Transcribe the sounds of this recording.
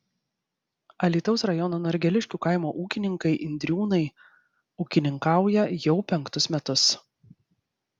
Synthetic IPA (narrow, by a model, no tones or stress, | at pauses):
ɐlʲiːt̪ɒʊsɾɐjɔnoːnɔɾʲɡʲɛlʲɪʃʲkʲuːkɐˑɪmoːʔuːkʲɪnʲɪŋkɐɪʔɪnʲd̪ʲɾʲuːnɐɪ | uːkʲɪnʲɪŋkɑˑʊjɛjɛʊpʲɛŋkt̪ʊsmʲɛt̪ʊs